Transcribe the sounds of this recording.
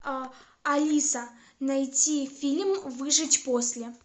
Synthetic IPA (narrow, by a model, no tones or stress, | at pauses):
ɐlʲisə | nɐjtʲifʲilʲmvɨʐɨtʲposʲlʲɪ